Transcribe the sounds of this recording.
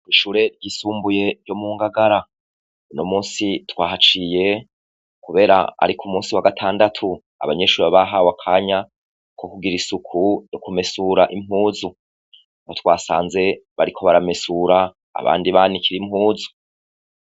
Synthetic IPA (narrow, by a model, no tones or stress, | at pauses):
iʃuːɾe̞ɾɟisuːmbuje̞ɾjo̞muːŋɡaɡaɾa | nomuːnsitwaːhat͡ʃije̞ | kuβe̞ːɾa̰a̰ɾikʰumuːnsiwaɡatʰaːndatʰu | a̰βaɲe̞ʃuɾeβaβaɦaːwakʰaːɲa | kʰokuɡiɾisukʰunokume̞suɾaʔim̥huːzu | otwaːsa̰ːnze̞βaɾikʰo̞βaɾame̞suːɾa̰ː | βa̰ːndiβaːnikiɾimhuːzu̥